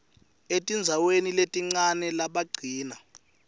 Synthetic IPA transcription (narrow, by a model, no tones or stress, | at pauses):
etʼind͡zʱaweniletʼiŋ͡ǀanɛlaɓaɡ͡ǀʱiːna